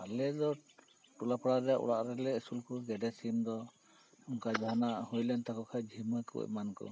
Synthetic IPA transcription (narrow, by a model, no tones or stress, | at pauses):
alɛdɔ | ʈulapʰɔɽaɾɛʔṵɽaʔɾɛlɛːsulkɔɡɛdɛsimd̪ɔ | muŋkad͡ʒanahojlɛnt̪akɔkʰajd͡ʒʱimɔkɔ̰ɛ̰mankɔ̰